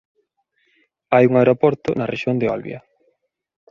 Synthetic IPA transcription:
ajuŋaeɾopɔɾt̪ʊnɐreʃjond̪eɔ̰lβjɐ̰

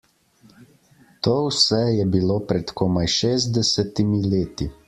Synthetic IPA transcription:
t̪oːwsɛjɛbiloːpɾɛt̪kɔːmajʃeːzd̪ɛsɛt̪imileːt̪i

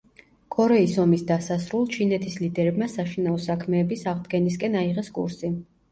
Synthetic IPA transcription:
kʼɔɾɛisɔmisd̪asasɾulˠt͡ʃʰinɛt̪ʰislid̪ɛɾɛbmasaʃinaɔsakʰmɛːbisaʁd̪ɡɛniskʼɛnaiʁɛskʼṵɾsi

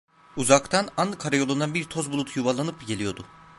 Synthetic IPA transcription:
uzakt̪ʰananːɯkʰaɾajo̞lˠund̪anbiɾt̪ʰozbulˠut̪ʰjuvalˠanɯpɟe̞lʲijo̞d̪u

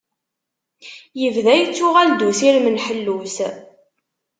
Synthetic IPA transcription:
jəvðæjt͡sːʊʁæld̪usiɾmənħəlːus

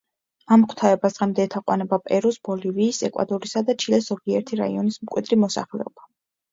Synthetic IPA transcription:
amkʰt̪ʰaɛbasʁɛmd̪ɛːt̪ʰaqʼwa̰nɛbapʼɛɾɔsb̥ɔliviːsɛkʼwa̰d̪ɔɾisad̪at͡ʃʰilɛszɔɡiɛɾt̪ʰiɾa̰ḭɔnismkʼwḭd̪ɾimɔsa̰χlɛ̰ɔb̥a

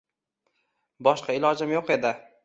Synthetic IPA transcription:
bɒʃqɑɪlɒd͡ʒɪmjoqe̞d̪ɪ

